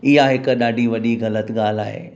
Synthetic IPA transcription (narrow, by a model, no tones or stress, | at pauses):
ɪɦaɦɪkɗaːɖʱiʋɐɗiɣɐlət̪ɠaːl̤aːɦḛː